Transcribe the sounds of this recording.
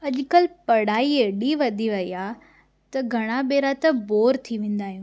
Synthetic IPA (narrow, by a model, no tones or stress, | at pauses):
ɐʄkɐlpɐɽaːieɗiʋɐd̪ʱiʋɐiaː | t̪ɐɡʱɐɽ̃aɓeːɾat̪ɐboːɾt̪ʰiʋẽːn̆d̪aːɦijũ